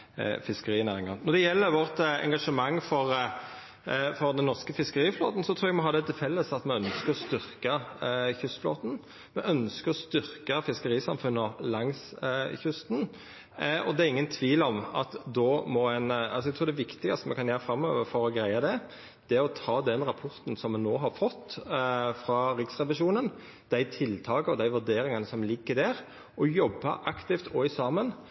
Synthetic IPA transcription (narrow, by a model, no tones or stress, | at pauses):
fɪskəɾiːnæːʁɪŋɑnɔʁd̪ɛjɛlːəɾʋɔʁt̪ɛ̰ŋɡɑʂəmɑŋːfɔɾ | fɔɾd̪ɛnːɔʁskəfɪskəɾiːflo̰ːt̪n̩sɔt̪ʰɾuːɛɡmɛɦɑːɾd̪ɛt̪ʰɪlfɛlːəsɑt̪mɛœnskəɾɔst̪ʏʁkəçʏst̪flo̰ːt̪n | mɛʔœnskəɾɔst̪ʏʁkəfɪskəɾiːsɑmfʉnːɔlɑŋsçʏst̪n̩ | ɔd̪ɛɛɾɪŋːənt̪ʰʋiːlɔmɑt̪d̪ɔmɔɛnɑlsɔɛɡt̪ʰuːd̪ɛʋɪkt̪ɪɡɑst̪əmɛkʰɑnjæːɾfɾɑmːøːʋəɾfɔɾɔɡɾæɪɑd̪ɛ | d̪̥ɛæɔt̪ʰɑːd̪ɛnɾɑpʰɔɾt̪n̩sɔmːɛnːoːɦɑɾfɔt̪ːfɾɑɾɪksʁɛʋɪʂuːnən | d̪̥æɪt̪ʰɪlt̪ʰɑːɡəɔd̪æɪʋʉɾd̪eːɾɪŋɑnəsɔmlɪɡːəd̪æɾ | ʔɔjɔbːɑ̰ʔɑkt̪ɪft̪ɔɪsɑːmən